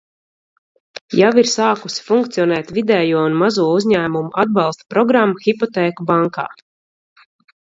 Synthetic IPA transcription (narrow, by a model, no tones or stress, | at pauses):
jawiɾsaːkusi̥fuŋkt̪siɔnɛːt̪vid̪ɛːjuɔunmazuɔuzʲɲæːmumuʔad̪̚bɑlˠst̪pɾɔɡɾamːaxipɔt̪ɛːkubaŋka̰ː